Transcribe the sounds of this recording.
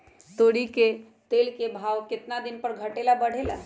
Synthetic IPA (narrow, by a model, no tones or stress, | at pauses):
t̪oɽike | t̪elkebʱawkɪt̪nad̪inpəɾɡʱəʈelabəɽ̤ela̰